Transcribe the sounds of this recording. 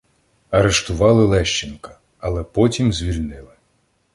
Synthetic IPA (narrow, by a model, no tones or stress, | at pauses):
ɐɾeʃt̪ʊʋɑlˠɪlˠɛʃt͡ʃenkɐ̥ | ɐlˠɛpɔtʲimzʲʋʲilʲnɪlˠɪ